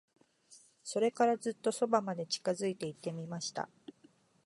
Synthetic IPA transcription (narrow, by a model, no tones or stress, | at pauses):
so̞ɾe̞kaɾazɨt̪ːo̞so̞bamad̪e̞t͡ɕi̥kazɨit̪e̞it̪ːe̞mʲimaɕi̥t̪a̰